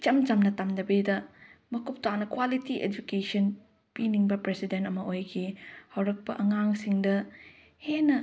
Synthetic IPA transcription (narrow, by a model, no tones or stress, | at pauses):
t͡ʃɐmt͡ʃɐmnɐtamdɐbedɐmɐkup̚tanɐkwalitiʔḛd͡ʒukesɐn | piniŋbɐpɾesidentɐmɐʔojkʰihɐwɾɐk̚pɐʔɐŋaŋsiŋdɐ | henːɐ